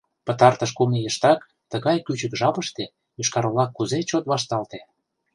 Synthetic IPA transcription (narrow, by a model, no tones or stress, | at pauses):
pə̆t̪ɑrt̪ə̆ʃ̬kumijəʃt̪ɑk | t̪əɣɑjkyt͡ɕə̆kʒɑpə̆ʃt̪e | jyʃkɑɾolɑkːuzet͡ɕot̪βɑʃt̪ɑlt̪e